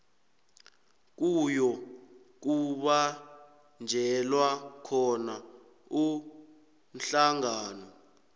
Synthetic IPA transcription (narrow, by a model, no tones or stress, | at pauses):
k̬ujɔ | k̬uɓa | nd͡ʒʱɛlwakʰɔna | u | n̩ɬaŋaːnɔ